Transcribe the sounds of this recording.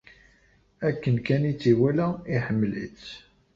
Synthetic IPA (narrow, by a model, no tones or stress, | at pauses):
ækːənkænit͡sːiwælæiħəmːlḭt͡s